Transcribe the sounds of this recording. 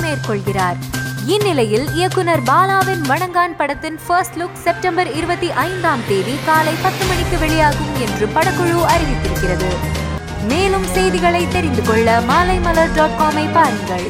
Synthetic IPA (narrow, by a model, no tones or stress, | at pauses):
meːrkɔɭɣɪraːɾɪnːɪlɐjɪlɪjɐkːɯnɐɾbaːlaːʋɪnʋɐɳɐŋɡaːnpɐɽɐt̪ːɪnfɐɾsʈlʊksɛp̚ʈɐmbɐɾɪɾɯbɐt̪ːiʔɐɪnd̪aːmt̪eːʋikaːlɐɪpɐt̪ːɯmɐɳɪkːɯʋɛɭɪjaːɣɯmɛndrɯpɐɽɐkːɯɻuɐɾɪɣɪt̪ːɪɾɯkːɪrɐðɯ | meːlɯmsɛjðɪɣɐɭɐɪt̪ːɛɾɪnd̪ɯkɔɭːɐmaːlɐɪmɐlɐɾɖaːʈ̚kaːmɐɪpːaːɾɪŋɡɐɭ